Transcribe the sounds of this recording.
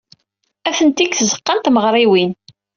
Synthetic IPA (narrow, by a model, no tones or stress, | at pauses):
æθənt̪ikθəzə̥qːənt̪məʁɾˤiwin